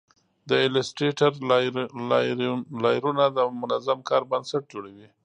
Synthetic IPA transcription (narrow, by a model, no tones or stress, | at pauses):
d̪əɪlesʈɾeʈaɾ | lɑjɾunad̪əmʊnazamkɑɾbansaʈ̚d͡ʒoɽawi